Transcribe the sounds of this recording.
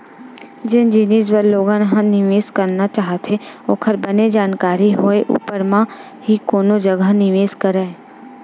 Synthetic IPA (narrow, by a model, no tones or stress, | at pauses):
d͡ʒɪnd͡ʒɪnid͡ʒwəɾloːɡãnɦãnɪʋeːskɐɾnat͡ʃaːɦt̪ʰeoːkʰəɾbɐned͡ʒaːnkaːɾiɦoeʔṵːpəɾmã | ɦikoːnod͡ʒɐɡʱənɪʋeːskɐɾa